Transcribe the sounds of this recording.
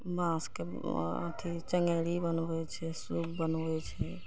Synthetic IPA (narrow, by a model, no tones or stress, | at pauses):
mãːske | ə̰t̪ʰit͡ʃəŋɡeːɽibənʋɛt͡ʃʰɛsuːkbənoʋɛt͡ʃʰɛ